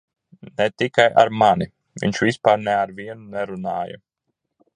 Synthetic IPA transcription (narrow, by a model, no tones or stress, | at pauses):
nɛt̪ikaja̰ɾmani | vḭɲʃvʲispaːɾnɛaɾviɛnunɛɾunaːjɐ̰